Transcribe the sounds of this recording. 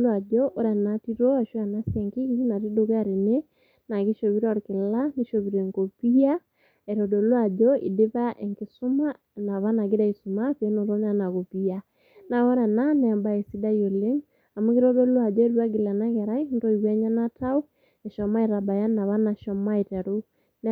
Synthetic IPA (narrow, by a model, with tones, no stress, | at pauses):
lwa˨d͡ʒɔʔɔ˦ɾa˨nati˦ɾɔ˦a˨ʃwa˨na˦sjɛ˨ŋki˦ɣii˦na˨ɾi˦do˨ɣa˦˨ɾe˨ne˦ | na˨ɣi˦ʃo˨βi˦ɾɔ˦ɾke˨la˦ni˦ʃo˨βi˨ɾɛ˨ŋko˨pi˦a˦ | ɛ˨ɾɔ˨dɔ˨lwa˦˨d͡ʒɔ˦ḭ˨de˦βa˦ʔɛ˨ŋki˨su˦ma˦ | na˨βa˦na˨ɡe˦da˦i˨su˨ma˦βe˨˦no˨ɾo˦na˦na˨ɣo˨pi˦a˦ | na˨ɣɔ˦ɾa˨na˦nː˨mba˨ɛ˨si˦da˦jo˨le˦ŋ | a˨mu˦ɣe˦ɾɔ˦dɔ˦lwa˨d͡ʒɔ˦ɛ˦ɾwa˦ɡi˨la˨na˦ɣɛ˨ɾa˦intɔ˦i˨βɛ˦ɲa˦na˦ta˦u˦ | ɛ˨ʃɔ˨ma˦e˨ɾa˨ba˨ja˦na˨βa˦na˨ʃɔ˨ma˦e˨tɛ˨ɾo˦ | n